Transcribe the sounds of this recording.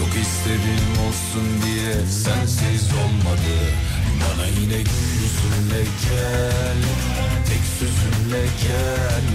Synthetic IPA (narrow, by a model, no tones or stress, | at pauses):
okisleɾino̞lˠsund̪ijɛsænsezo̞lˠmad̪ɯ | banajinɛɟyysynlɛɾcʰæn | t̪ʰɛcʲsøzynlɛɾcʰæ | n